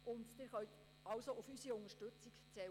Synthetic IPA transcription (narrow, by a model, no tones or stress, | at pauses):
ʔʊnd̪d̥̪ɪɾχœɥt̪ | ɑwsoʊfysiʊŋəʃtɵt͡sikt͡sɛ